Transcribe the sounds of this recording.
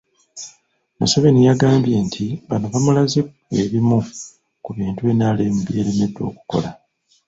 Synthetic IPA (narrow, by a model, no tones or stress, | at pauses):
maso̞βe̞nijaɡaːmbje̞ːntʰiβano̞βamulaze | e̞βimu | kuβiːntue̞ːnaːle̞ːmubje̞ːɾe̞me̞dːwo̞̰ːku̥ko̞̰la